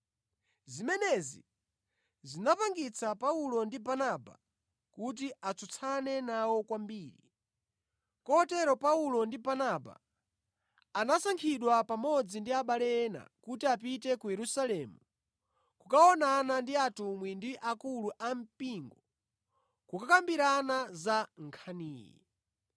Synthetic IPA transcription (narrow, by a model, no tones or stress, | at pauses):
zimɛnɛzḭ | zinapaŋɡit͡sʰapaulɔndibanaba̰ | kut̬iat͡sʰɔt͡sʰanɛnawɔkwambiːɾḭ | kɔɔtɛɾɔpaulɔndibanaba̰ | nasaŋkʰiɗwapamɔd͡zindiaɓalɛɛna̰kutiapitɛkujɛɾusalɛmu | kukaɔnanandiatumwindiʔakuluʔam̩piŋɡɔɔ | kukakambiɾanazaŋkʰaniːjɛ̰